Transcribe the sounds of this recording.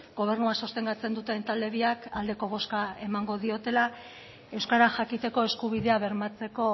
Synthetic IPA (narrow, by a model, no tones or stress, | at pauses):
ɡo̞β̞e̞ɾnuaso̞st̪e̞ŋɡat͡se̞nd̪ut̪e̞nt̪ald̪e̞βiakald̪e̞ko̞β̞o̞skae̞maŋɡo̞ðio̞t̪e̞la | e̞wskaɾaxakit̪e̞ko̞e̞skuβ̞iðe̞aβe̞ɾmat͡se̞ko̞